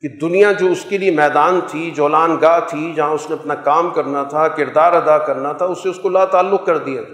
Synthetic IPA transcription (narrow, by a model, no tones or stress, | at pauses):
kid̪ʊnijãd͡ʒoːʊskeliemɛːd̪aːnt̪ʰid͡ʒɔːlaːnɡaːɦt̪ʰid͡ʒɐɦãʊsneɐpnakaːmkɐɾnat̪ʰakɪɾd̪aːɾɐd̪akɐɾnat̪ʰaʊseʊskolaːt̪aːlːʊk̚kɐɾd̪ijaːt̪ʰː